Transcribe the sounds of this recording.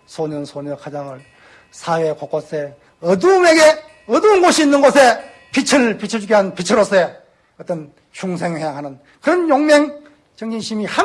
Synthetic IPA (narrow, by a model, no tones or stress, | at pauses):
sʰoɲɯnsʰoɲɯkʰad͡ʑaŋɯɭ | sʰawekok͈os͈e | ʌdumeɡe | ʌduːnɡoɕʰiːnːɯnɡosʰe | pit͡ɕʰɯɭpit͡ɕʰɯd͡ʑuɡiɦanpit͡ɕʰɯɾos͈e | ʌt͈ʌn | t͡ɕʰuŋsʰeŋhejaŋɦanɯn | kɯɾʌnjoŋmeŋ | t͡ɕʌŋɲiŋɕʰimiha